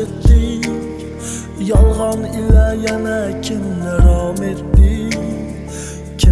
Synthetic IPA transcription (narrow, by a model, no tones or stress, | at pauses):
et̪ːɪ | jɒlˠʁɑnɪlajanakʲʰɪnːɪɾɑmet̪ːɪ | kʲʰ